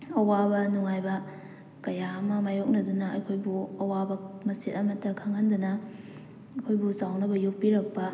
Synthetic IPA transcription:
ɐwabɐnuŋajbɐ | kɐjaɐmɐmajok̚nɐdunɐɐ̰jkʰojbuɐwabɐmɐsitɐmɐtːɐkʰaŋhandɐnɐ | ɐjkʰojbusawnɐbɐjuk̚piɾɐk̚pɐ

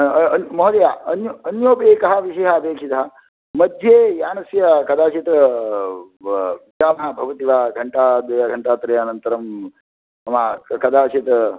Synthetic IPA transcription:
ɐnmɐɦd̪ɐjaːɐnjɐnjoːpeːkɐɦɐʋiʃɐjɦaːbeːkʂʰit̪ɐɦɐ | mɐd̪ʱjeːjaːnɐsjɐkɐd̪aːt͡ʃit̪ | ɡaːmaːbʱɐʋɐt̪iʋaːɡʱɐɳʈaːd̪ɐjaɡʱɐɳʈaːt̪ɾɐjanɐnt̪ɐɾɐm | ɐmaːkɐd̪aːt͡ʃit̪

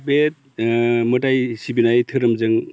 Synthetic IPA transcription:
bet̪̚mɯtajsibinajtʰɯɾɐmzɯŋ

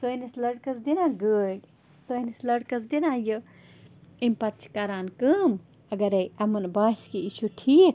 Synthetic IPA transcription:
sojnislɐɽkɐsd̪inãɡə | sonislɐɽkɐs̬d̪inãjə | imʲpɐt̪t͡ʃʰkɐɾaːnkəm | ɐɡɐɾɐjɐmɐnbaːskiit͡ʃʰuʈʰiːk

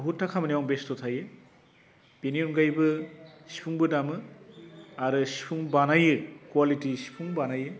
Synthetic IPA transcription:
ɦutːakʰamɐniwaŋbestotʰajɯ | b̥enionɡajbɯsi̥pʰuŋbɯdamɯ | aɾɯsi̥pʰuŋbanajɯkwalitisi̥pʰuŋbanajɯ

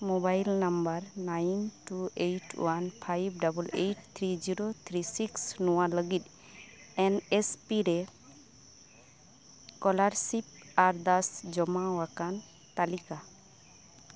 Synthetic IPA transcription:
mobajlnambaɾnajnʈuejʈwanpʰajbɖabulejʈ̚t̪ʰɾid͡ʒiɾot̪ʰɾisiksnɔwaləɡit̪̚ | ɛnespiɾɛ | kɔlaɾsip̚aɾd̪asd͡ʒɔmawakan | t̪alika

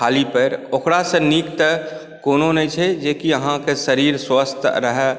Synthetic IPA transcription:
aːlipəɾokɾasẽnikt̪ə | koːnonəĩt͡ʃʰed͡ʒeːkiəɦãkesəɾiːɾswəst̪ɾəɦɛ

